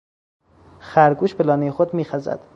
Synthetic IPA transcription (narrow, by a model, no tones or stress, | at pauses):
xæɾɡuːʃbelɒːnejexod̪miːxæzæ̰d̪̥